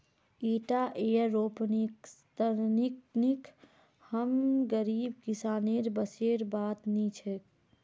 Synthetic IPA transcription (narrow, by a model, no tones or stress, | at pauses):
iʈaʔeəːoːpnikt̪əɾniknik | həmɡəɾiːbkisaːneɾbəseɾbaːt̪nit͡ʃʰek